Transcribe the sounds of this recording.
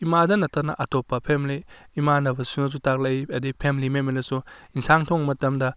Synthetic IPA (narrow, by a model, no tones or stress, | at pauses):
imadɐnɐtːɐɾnɐ̰ʔɐtopːɐpʰemliːmanɐbɐsunɐs̬utak̚lɐjɐdipʰemlimemelɐsuinsaŋtʰoŋmɐtɐmdɐ